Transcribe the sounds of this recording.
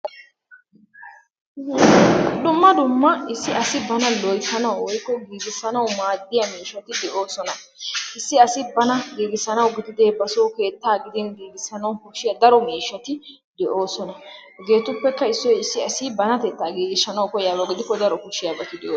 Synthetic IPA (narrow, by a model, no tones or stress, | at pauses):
d̪ʊmːɐd̪ʊmːɐɪsːɪʔɐsɪbɐnɐlɔjt̪ːɐnɐwwɔjkːɔɡiːɡɪsːɐnɐwmaːd̪ːɪjɐmiːʃːɐt̪ɪd̪ɛʔoːsɔnɐ | ɪsːɪɐsɪbɐnɐɡiːɡɪsːɐnɐwɡɪd̪ɪd̪eːbɐsoːke̞ːt̪ːaːɡɪd̪ɪnɡiːɡɪsɐnɐwkɔʃɪjɐd̪ɐɾɔmiːʃːɐt̪ɪ | d̪ɛʔo̞ːsɔnɐ | ɡe̞ːt̪ʊpːɛkːɐɪsːɔjɪsːɪɐsɪbɐnɐt̪ɛt̪ːaːɡiːɡɪsːɐnɐwkɔjaːbɐɡɪd̪ɪkːɔd̪ɐɾɔkɔʃɪjaːbɐt̪ɪd̪ɛoː